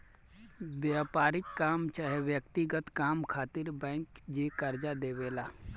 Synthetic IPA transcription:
bjaːpaːɾɪkkaːmt͡ʃaɦeʋjəkt̪ɪɡət̪kaːmkʰaːt̪ɪɾbɛ̃ːŋkd͡ʒekɐɾd͡ʒad̪eːʋeːlaː

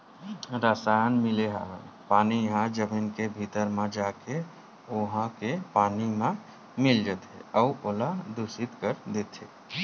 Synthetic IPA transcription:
ɾəsajənmileɦã̰ɦpanijɦãd͡ʒəbinkebʱit̪əɾmẽd͡ʒake | oɦãkepaːnimẽ | mild͡ʒət̪ɦḛəuʔolad̪usit̪kəɾd̪et̪ɦe

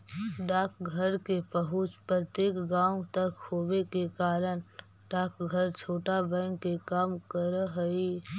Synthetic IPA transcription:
ɖaːkɡʱəɾkepəɦʊt͡ʃpɾət̪jeːkɡaːʊ̃t̪əkhoːbekekaːɾəñ | ɖaːkɡʱəɾt͡ʃʰoːʈabɛ̃ŋɡkekaːmkəɾɦəi

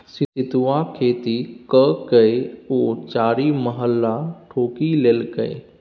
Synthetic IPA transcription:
sɪɪt̪ʋakʰeːt̪ikəkəeoːt͡ʃaːɾiməɦəlːaʈʰoːkileːlɡəḛ

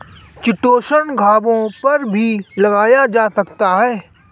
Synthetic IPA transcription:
t͡ʃɪʈoːʃənɡʱaːbõpɐɾbʱilɐɡaːjad͡ʒaːsɐkt̪aɦɛː

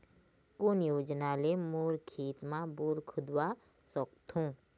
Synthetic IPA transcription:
koːnjoːd͡ʒnalemuːɾkʰiːt̪mãbuːɾkʰʊd̪wa | sək̚t̪ɦũː

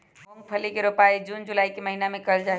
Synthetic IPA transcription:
mõŋɡpʰəlikeɾopaid͡ʒuːnd͡ʒulaːikeməɦinamẽkəld͡ʒaːe

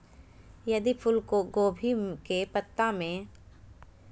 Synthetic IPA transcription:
jɐd̪ipʰʊlkoɡoːbʱikepət̪ːamẽ

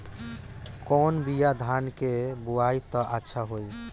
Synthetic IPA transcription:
konbijad̪ʱankebuajt̪ɔʔatːʃʰaɦoj

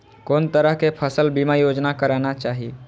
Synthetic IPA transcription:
koːnt̪əɾəɦkepʰəsəlbimajod͡ʒnakəɾanat͡ʃaɦi

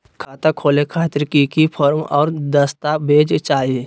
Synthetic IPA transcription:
kʰaːt̪akʰoːlekʰaːt̪ɾkikipʰɔːɾmɔ̰ːɾd̪ɐst̪abʱeːd͡ʒt͡ʃaːɦe

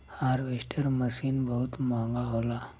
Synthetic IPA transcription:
haːɾʋeːsʈʰəɾmɐsiːnbɐɦʊt̪mãːŋɡaɦoːlaː

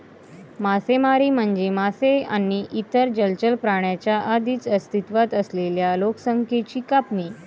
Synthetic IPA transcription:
masemaɾiːm̤əɳd͡ʑemaseanːiʔit̪əɾd͡ʑəlt͡ɕəlpɾaɳ̃jat͡ɕjaʔad̪iːt͡səst̪ʰit̪ʋat̪əsleljaloksəŋkʰet͡ɕiːkapniː

